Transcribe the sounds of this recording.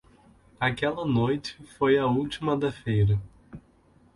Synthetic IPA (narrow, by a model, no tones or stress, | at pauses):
akɛlɐnojt͡ʃɪ̥fojɐuwt͡ʃimɐd̪ɐfejɾɐ